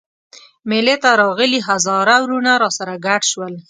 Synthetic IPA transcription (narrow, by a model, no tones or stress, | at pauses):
melet̪aɾɑɣəliɦazɑɾawɾunaɾɑsaɾaɡaʈʃwəl